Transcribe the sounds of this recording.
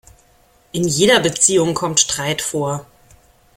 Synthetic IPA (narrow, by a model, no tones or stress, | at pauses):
ʔɪnjeːɾɐbət͡siːʊŋkʰɔmtʃtʁ̥aɪtfoːɐ